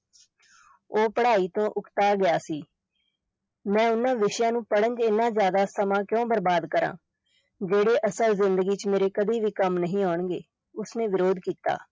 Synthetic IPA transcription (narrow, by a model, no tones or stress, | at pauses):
oːpəɽaːiːt̪õːʔʊkt̪aːɡɪaːsiː | mɛ̃ːʊnãːʋɪʃjãːnũːpəɽənd͡ʒɪnːãːzjaːd̪aːsəmãːkjõːbəɾbaːd̪kəɾã̰ː | d͡ʒeːɽeːʔəsəlzɪnd̪əɡiːt͡ʃmeːɾeːkəd̪iːʋiːkəmnəɦĩːaːɳɡeː | ʊsneːʋɪɾoːd̪kiːt̪a̰ː